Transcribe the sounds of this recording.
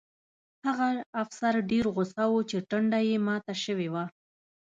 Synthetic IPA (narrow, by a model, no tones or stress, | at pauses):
haɣaːfsaɾɖeɾɣʊsawut͡ʃeʈəɳɖajemɑt̪aʃəwewa